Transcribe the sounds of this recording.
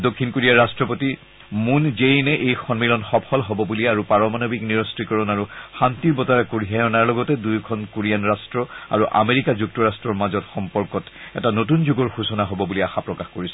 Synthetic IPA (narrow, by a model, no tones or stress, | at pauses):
dokʰːinkoɹijaɹastɹɔpoti | munzejnɛʔejxɔnmilɔnxɔpʰɔlɦɔbɔbuliaɹupaɹɔmanobʱikniɹɔstɹikɔɹɔnaɹuxantiɹbɔtaɹakoɹiɦajɔnaɹlɔɡɔtɛdujkʰɔnkoɹijanɹastɹɔa̰ɹuʔa̰meɹikazuk̚tɔɹastɹɔɹmazɔtxɔmpɔɹkɔtɛtanot̬unzuɡɔɹxusɔnaɦɔbɔbuliaxapɹɔkaxkoɹisɛ